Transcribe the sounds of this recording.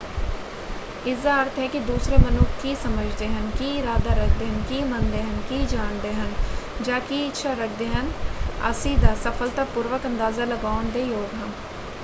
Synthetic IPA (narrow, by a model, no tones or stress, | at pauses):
ɪzaɾt̪ɦɛkid̪uːsɾebɐnukkisɐməd͡ʒʱd̪eɦɐnkiɾaːd̪aɾɐk̚ʰd̪eɦə̃nkimɐ̃nd̪eɦənkid͡ʒaːɳd̪eɦɐ̃nd͡ʒaːkiɪtːʃʰaɾɐk̚ʰd̪eɦɐnɐ̰siːd̪asɐfʰəlt̪apʊɾʋəkɐ̃nd̪aːzalɐɡaːʊnd̪ejoːɡɦɐ̃n